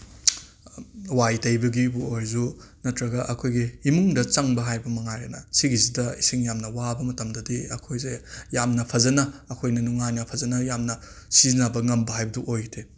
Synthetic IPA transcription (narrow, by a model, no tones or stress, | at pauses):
wajtɐjbɐɡibuojzunɐtɾɐɡɐʔɐkʰojɡihimuŋdɐt͡ʃɐŋbɐɦajbɐmɐŋajɾenɐsiɡizidɐisiŋjamnɐwabɐmɐtɐmdɐdiɐkʰojzejamnɐpʰɐzɐnɐːkʰojnɐnuŋajnɐpʰɐzɐnɐjamnɐ | sizinabɐŋɐmbɐɦajbɐduʔojɡitʰe